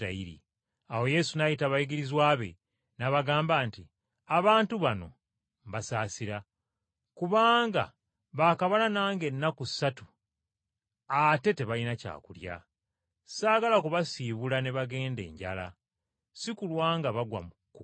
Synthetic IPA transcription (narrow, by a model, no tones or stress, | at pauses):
a̰iɾḭ | awo̞je̞sunajitaβajiɡiɾizwaːβe̞̰ | naβaɡaːmbaːnti | aβaːntuβano̞̰ | mβasaːsiɾa | kuβaːŋɡa̰ | βaːkaβananaːŋɡe̞nːakusatu̥ | ate̞te̞βalinaca̰ːkulja̰ | saːɡalakuβasiːβulane̞βaɡe̞ːnde̞̰ːɲɟa̰la̰ | sikulwaːŋɡaβaɡwa̰m | k